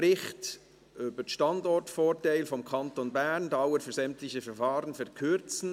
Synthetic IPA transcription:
ɾɪxt | ʔøb̥əʃtɑndɔɹtfoːɾtaɪlfɔmkʰɑntonbɛʁndaʊəfyːɐsɛmtlɪçəfɛɾfɑːʁənfɛɾkʰʏɾt͡sn̩

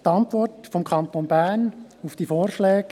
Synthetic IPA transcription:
tɑntʋɔrtfɔmkʰɑnt̪oːnbæɾnufd̥iːfoːɾʃlɛːɡ̥

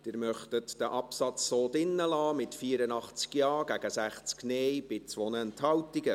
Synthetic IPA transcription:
d̪̥ɪːɾmœχtətd̥əʔɑpsɑt͡sːoːdɪnːəlɑːmɪtfiːəɾənɑχt͡skjɑːɡ̥æɡəsæχt͡skneːjb̥ɪt͡sʋonəɛnthɑwtɪɡə

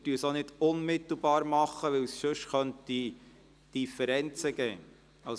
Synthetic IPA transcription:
tyːsonɪdʊnmɪt̪l̩ˠbɑːɾmɑχəʋɪwsʃøʃχœntdi | d̥ifəɾɛnt͡səɡ̥ɛː | ɑ

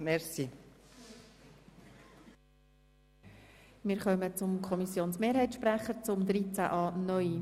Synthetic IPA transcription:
mɛɾsi | mɪːɾχœmət͡sʊmkʰɔmisjoːnsmeːɾɦɛɪtʃpɾæχəɾt͡sʊmd̪ɾit͡sæ̰ʔɑːnœʏi

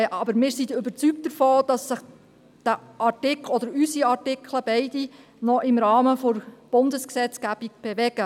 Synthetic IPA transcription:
ʔɑbəɾmɪːɾsidʏbəɾt͡sykt̚d̥əɾfɔːd̥ɑsːɪχ | d̪̥æʔɑtɪklɔd̥̪əɾysiɑtɪkʰləbɛɪdi | nɔʔɪmɾɑːməfɔɾb̥ʊndəsksɛt͡sɡ̥æb̥iɡb̥ɛʋɛɡ̥ə

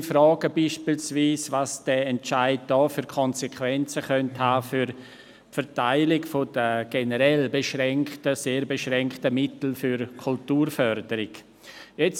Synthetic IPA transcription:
fɾɔːɡ̥əbiːʃpilsviːsvaːsd̥ɛɛntt͡ʃaɪd̚d̥ɔːfyɾkʰɔnsɛkʰvɛnt͡səχœnthaːfyɾ | fɛɾtaɪlɪɡfod̥əɡ̥enəɾɛlbeʃɾɛŋktəseːɾbeʃʁɛŋktəmɪtl̩fyɾkʰultuːɾfœɾd̥əɾɪɡ̥ | jɛt͡s

